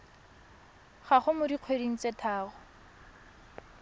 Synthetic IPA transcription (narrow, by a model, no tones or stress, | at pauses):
χaχʊmʊdiq͡χʰwediŋ̩t͡setʰaːɣʊ